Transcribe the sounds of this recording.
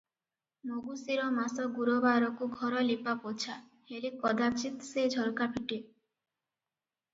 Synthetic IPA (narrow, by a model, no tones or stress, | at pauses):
moɡusiɾɔmasɔɡuɾobaɾɔkuɡʱɔɾɔlipapot͡ʃʰa | helekɔd̪ʱapt͡ʃit̪sed͡ʒʱɔɾkapʰiʈi